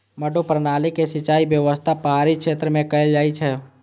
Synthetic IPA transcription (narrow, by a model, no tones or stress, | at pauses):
mɐɖopɾənaːlekesɪt͡ʃaːibjəʋəst̪ʰapəɦaːɾikʃeːt̪ɾəmẽkɐeld͡ʒaːit͡ʃʰɛ